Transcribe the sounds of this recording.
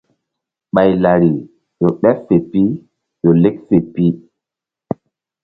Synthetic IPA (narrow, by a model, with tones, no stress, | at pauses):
ɓa˨jla˨ɾi˨ | jo˨ɓɛ˦fe˨pi˦ | jo˨le˦kfe˨pi˦